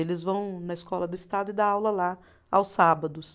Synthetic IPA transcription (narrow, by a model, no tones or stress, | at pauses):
elɪzvɐ̃w̃nɐɪskɔlɐd̪ʊɪst̪ad̪ʊɪd̪ɐawlɐla | a̰wsabɐd̪ʊs